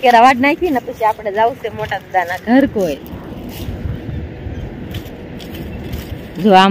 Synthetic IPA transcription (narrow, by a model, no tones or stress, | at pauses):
keɾaʋaʈnajkinapəɕiapɽed͡zausemoʈat̪əd̪anaɡʱəɾkoj | d͡zoa